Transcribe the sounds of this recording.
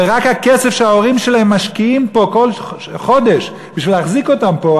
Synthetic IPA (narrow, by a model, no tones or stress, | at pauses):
eʁakhakesefʃeaoʁimʃelahemːaʃkiimpo̞kol | χo̞d̪eʃ | b̥iʃvilaχziko̞tampo